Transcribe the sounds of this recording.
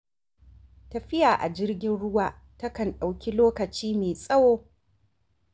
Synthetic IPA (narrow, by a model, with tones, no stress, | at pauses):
ta˨ɸɪ˦jaː˨ʔa̰˨d͡ʒɪ˦rɡʲɪ˦nɽʊ˦waː˦˨ | tɐ˦kɐ˨nɗa˨wkʲi˦loː˦kɐ˨t͡ʃiː˦meː˨sʼɐ˦woː˦